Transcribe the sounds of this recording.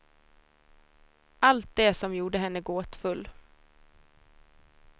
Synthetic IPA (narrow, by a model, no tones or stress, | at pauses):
ʔalt̪̚d̪ɛsɔmjuːɖəɦɛnːəɡoːt̪fɵlː